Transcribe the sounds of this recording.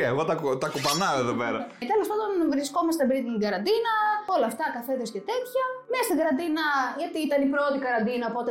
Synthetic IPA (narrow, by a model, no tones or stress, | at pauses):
eɣo̞t̪ɐkt̪ɐkupɐnɐoeðopeɾɐt̪e̞lo̞spɐand̪o̞nvɾisko̞mɐst̪ebeɾit̪iɡɐɾɐnd̪inɐo̞lɐːft̪ɐkɐfeðosce̞t̪e̞t̪çɐnest̪iɡɐɾɐnd̪inɐʝɐt̪iit̪ɐnipɾo̞t̪ikɐɾɐnd̪inɐopo̞t̪e